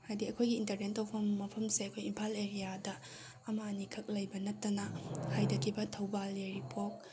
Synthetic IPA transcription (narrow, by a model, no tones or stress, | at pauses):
hajdiɐkʰojɡiːntɐɾnentopʰɐmːɐpʰɐmseɐkʰojimpʰaleɾijadɐː | manikʰɐk̚lɐjbɐnɐtːɐnɐhajdɐkʰibɐtʰɐwbaleɾipʰok̚